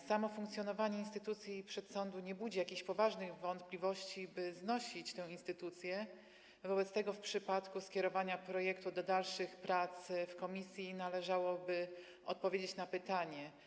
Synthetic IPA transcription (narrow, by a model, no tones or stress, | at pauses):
samɔfuŋkt̪sjɔnɔvaɲɛinst̪ɘ̥t̪ut̪sʲjipʂɛt̪sɔnd̪uɲɛbud͡ʑɛjakʲeɕpɔvaʐnɘɣvɔnt̪plʲivɔɕt͡ɕibɘznɔɕit͡ɕt̪ɛ̃w̃inst̪ɘt̪ut̪sʲjɛ | vɔbɛt̪st̪ɛɡɔfpʂɘpat̪kuskʲɛɾɔvaɲapɾɔjɛkt̪ud̪ɔd̪alʂɘxpɾat̪sfkɔmʲisʲjinalɛʐawɔbɘ | ɔ̰t̪̚pɔvʲjed͡ʑet͡ɕnapɘt̪aɲɛ